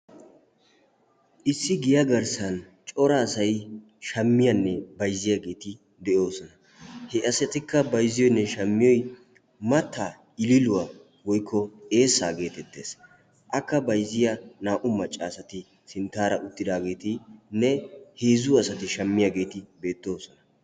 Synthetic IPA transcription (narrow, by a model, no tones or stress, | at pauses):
ʔɪsːɪɡɪjɐɡɐɾsɐn | t͡ʃʼɔɾaːsɐj | ʃɐmːɪjɐnːɛbɐjzːɪjaɡe̞ːt̪ɪ | d̪ɛʔo̞ːsɔnɐ | hɛʔɐsɛt̪ɪkːɐbɐjzɪjɔjnːɛʃɐmːɪjɔj | mɐt̪ʰːaː | ɪlɪlʊwa | wɔjkʰːɔe̞ːsːa̰ːɡe̞ːt̪ɛt̪ːe̞ːs | ʔɐkːɐbɐjzːɪjɐnaːʔʊmːɐt͡ʃʼːaːsɐt̪ɪ | sɪnt̪aːɾɐʔʊt̪ːɪd̪aːɡe̞ːt̪ɪnːɛheːzʊɐsɐt̪ɪʃɐmːɪjaɡe̞ːt̪ɪbe̞ːt̪ːo̞ːsɔnɐ